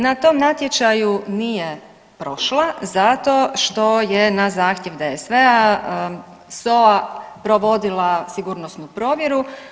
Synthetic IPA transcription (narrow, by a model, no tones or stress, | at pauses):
nat̪o̞ːmnat̪je̞t͡ʃajunije | pɾo̞ʃlazat̪o̞ʃt̪o̞jenazaːxt̪jeʋd̪eesʋea | soapɾoʋo̞d̪ilˠasiɡuːɾnosnupɾo̞ːʋje̞ɾu